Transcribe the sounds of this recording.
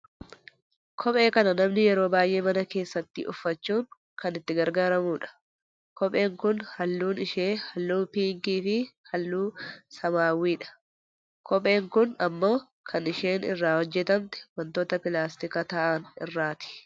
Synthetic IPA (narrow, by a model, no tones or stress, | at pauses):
kʰɔpʼe̞ːkɐnɐnɐmnɪjɛɾo̞ːbaːjʔe̞ːmɐnɐke̞ːsːɐt̪ːɪ̰ʔʊfːɐt͡ʃːuːŋ | kɐnɪt̪ːɪɡɐɾɡaːɾɐmuːᶑɐ̥ | kɔpʼe̞ːŋkʊnhɐlːuːnɪʃeːhɐlːuːpiːŋkiːfɪhɐlːuːsɐmaːwiːᶑɐ̥ | kʰɔpʼe̞ːŋkʊnɐmːo̞ː | kʰɐnɪʃe̞ːnɪ̰rːaːhɔd͡ʒːɛt̪ɐnt̪ɛ̥wɐnt̪oːt̪ɐpɪlaːst̪ɪkɐt̪ɐʔaːnɪ̰rːaːt̪ɪ̥